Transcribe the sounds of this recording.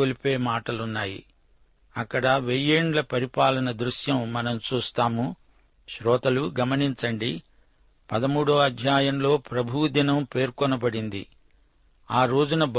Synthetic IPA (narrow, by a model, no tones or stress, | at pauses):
olipe̞ːmaːʈɐlunːaːjḭ | ɐkːɐɽɐʋejːeːɳlɐpɐɾipaːlɐnɐd̪ɾuʃjɐmːɐnɐmt͡ʃuːst̪aːmu | ʃɾɔːt̪ɐluɡɐmɐniɲt͡ʃɐɳɖi | pɐd̪ɐmuːɽoːɐd̪ʱjaːjɐmlo̞ːpɾɐbʱud̪inɐmpe̞ːɾkɔnɐbɐɽind̪ḭ | aːɾo̞ːd͡ʒunɐb